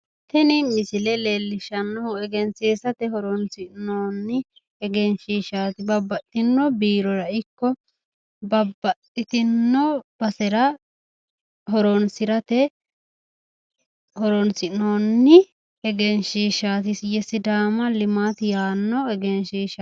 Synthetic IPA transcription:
t̪ɛnɪmɪsɪlɛleːlːɪʃɐnːɔhʊɛɡɛnseːsɐt̪ɛɦɔɾɔnsɪʔnoːnːɪ | ɛɡɛnʃiːʃaːt̪ɪbɐbːɐt̪ːɪnːɔbiːɾɔɾɐɪkːɔ | bɐbːɐtːɪt̪ɪnːɔb̥ɐsɛɾɐ | ɦɔɾɔnsɪɾɐt̪ɛ | hɔɾɔnsɪnoːnːɪ | ɛɡɛnʃiːʃaːt̪ɪsjɛsɪd̪aːmɐlɪmaːt̪ɪjaːnːɔɛɡɛnʃiːʃa

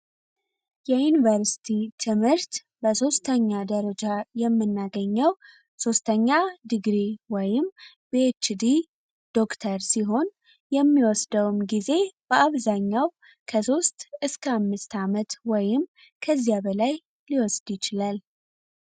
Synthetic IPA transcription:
jɛjunivəɾsi̥t̪ʰit̪ʰɨmhɨɾt̪ | bəso̞st̪ʰəɲːad̪əɾəd͡ʒajɛmːɨnːaɡəɲːəw | so̞st̪ʰəɲːad̪ɨɡɾiwɔjɪm | bet͡ʃːd̪i | d̪̥o̞kt̪ʰəɾsiɦo̞n | jɛmːiwɔsd̪əwmɡize̞b̥əʔaβzaɲːaw | kʰəso̞st̪ɨskʰəamːɨst̪ʰamət̪wɔjɪm | kʰəzːijabəlaj | liwɔsd̪jɪt͡ʃɪlal

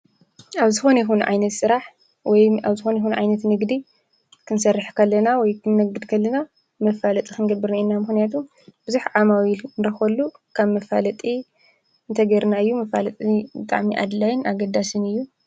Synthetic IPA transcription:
ʔaβzɨxo̞njɛxunʕa̰jnɐt̪sɨɾaħ | wɔjaβzɨxo̞njxunuʕa̰jnɐt̪nɨɡd̪i | kʰɨnsɐrːɨħkʰɐlːɐnawɔjkʰɨnnɐɡɨd̪kʰɐlːɐna | mɐfalɐt̪ʼikɨnɡɐbɨɾnainːamɨxnijat̪ʰum | b̥ɨzuħʕamawilnɾɐxɐlːukʰaβmɐfa̰lɐt̪ʼi | ɨnt̪ʰɐɡɐɾnaɨjːumɐfalɐt̪ʼibɨt̪ʼa̰ʕmiʔa̰d̪lajɪnaɡɐd̪ːasɨnɨjːu

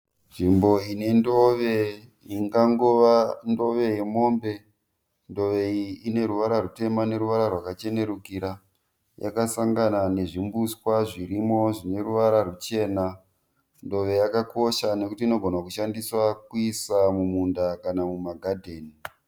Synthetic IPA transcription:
ʐimbo̞ine̞ndoʋe̞ | iŋɡaŋɡoʋando̞ʋe̞je̞mo̞ːmbe̞ | ndo̞ʋe̞iine̞ɾuʋaɾarute̞mane̞ɾuʋaɾarwakat͡ʃe̞ne̞ɾukiɾa | ja̰kasaŋɡanane̞ʐimbuskwaʐiɾimo̞ʐine̞ɾuʋaɾarut͡ʃe̞ːna | ndo̞ʋe̞jakakʰo̞ʃane̞kutiːno̞ɡʱonakuʃandiswakuisamumundakanamumaɡʱadʱeːni

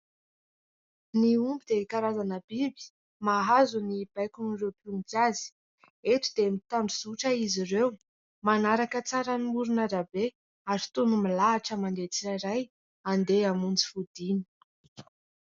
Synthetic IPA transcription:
niumbid̪ekaɾazanəbibi̥ | maɦazunib̥ajkunirewpunt͡sazi̥ | et̪ud̪emit̪amɖ͡ʐizuʈ͡ʂəizirew | manaɾakət͡saɾanimuɾunaɾabe | aɾit̪unumilaaʈ͡ʂəmand̪et͡siaɾaj | and̪eamunt͡si̥fud̪ini̥

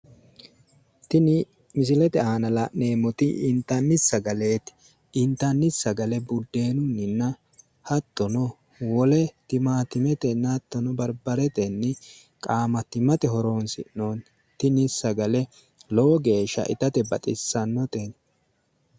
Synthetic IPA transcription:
t̪ɪnɪ | mɪs̬ɪlɛt̪ɛaːnɐlɐneːmɔt̪ɪʔɪnt̪ɐnːɪsːɐɡɐle̞ːt̪ | ɪnt̪ːɐnːɪsːɐɡɐlɛbʊd̪ːe̞ːnʊnːɪnːɐ | hɐt̪ːɔnɔ | wɔlɛt̪ɪmaːt̪ɪmɛt̪ɛnːɐt̪ːɔnɔbɐɾbɐɾɛt̪ɛnːɪ | kʼaːmɐt̪ɪmɐt̪ɛɦɔɾoːnsɪ̰ʔnoːn | t̪ɪnɪsːɐɡɐlɛ | lɔɔɡe̞ːʃɐ̰ʔɪ̰t̪ɐt̪ɛbɐt̪ʼɪsːɐnːɔt̪en

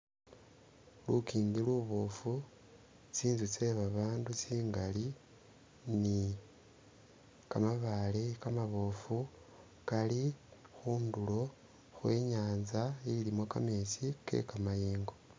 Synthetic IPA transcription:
lukiːndiluβofu | t͡siːnzut͡se̞βaβaːndut͡siːŋɡali | ni | kamaβalekamaβoːfu | kalixuːndulo̞ | xweːɲaːnzailimwoka̰me̞sikʰḛkamajeːŋɡo̞

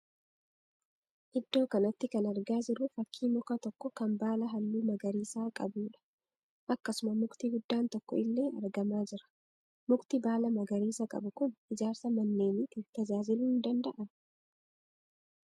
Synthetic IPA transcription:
ʔɪd̪ːo̞ːkɐnɐt̪ːɪkɐnɐɾɡaːd͡ʒɪɾʊfɐkʰːiːmʊkɐt̪ɔkːɔkɐmbaːlɐɦɐlːuːmɐɡɐɾiːsaːkʼɐbuːᶑɐ̥ | ʔɐkːɐsʊmɐmʊkt̪iːɡʊd̪ːaːnt̪ɔkːɔɪlːe̞ːɐ̰ɾɡɐmaːd͡ʒɪɾɐ̥ | mʊkt̪ibaːlɐmɐɡɐɾiːsɐkʼɐ̰bʊkʊnʔɪd͡ʒaːɾsɐmɐnːe̞ːmɪt̪ɪt̪ɐd͡ʒaːzɪluːɪnd̪ɐnd̪ɐʔɐ

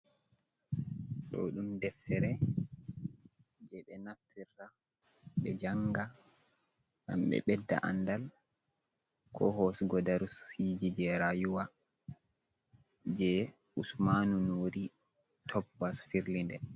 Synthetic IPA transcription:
ɗɔ̰ɗumdɛftɛɾɛ | d͡ʒɛɓɛnatʰːiɾːa | ɓɛd͡ʒaŋɡa | ɡa̰mɓɛ̰ɓɛdːa̰ʔa̰nːdal | kʰɔ̰ɦosɡɔdaɾusid͡ʒid͡ʒɛɾajuwa | d͡ʒɛ | usmanunoːɾi | tʰɔbbasfiɾlindɛ

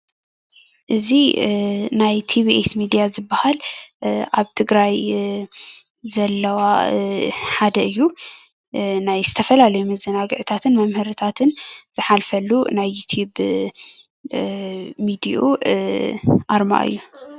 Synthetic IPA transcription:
ʔɨzi | najt̪ʰiβiʔesmid̪ijazɨbːahalʔaβt̪ʰɨɡɾaj | zɐlːɐwa | ħad̪ɐʔɨjːu | najzɨt̪ʰɐfɐlalɐjumɐzɐnaɡɨʕɨt̪ʰat̪ʰɨnmɐmhɨɾɨt̪ʰat̪ʰɨnz̥ɨħalfɐlːunajːut̪ʰjub | mid̪iʔo | ʔaɾma̰ʔɨ̰jːu

